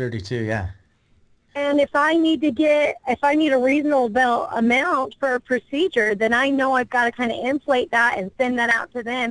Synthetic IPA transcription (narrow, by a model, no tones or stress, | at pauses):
θɜ˞ɾitʰʉjæ̰ | ɨ̃nɨfaɪnid̚tɨɡɛɾɪfaɪniɾəɹiznəbl̩ˠbɛlˠə̰mãʊ̃ntfə˞ɨpʰɹ̥ɨsid͡ʒə˞ðɨ̃naɪnoʊaɪvɡɑɾɨkʰãɪ̃ndɨɪ̃ɱfleɪt̪̚ðæɾɨ̰̃nsɛ̃nðɨɾaʊtʰɨðɨ̃m